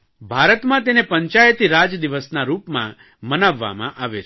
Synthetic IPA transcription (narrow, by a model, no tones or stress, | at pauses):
bʱaɾət̪mãt̪enepəɲt͡ʃajət̪iɾad͡ʒd̪iʋəsnaɾupmã̰ | mənaʋːa̰mã̰ʔaʋet͡ʃʰ